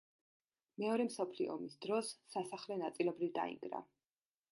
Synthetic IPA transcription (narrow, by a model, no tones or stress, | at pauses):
mɛɔɾɛmsɔpʰliɔ̰misd̪ɾɔsːasaχlɛnat̪sʼilɛbɾivd̪a̰ḭŋɡɾa̰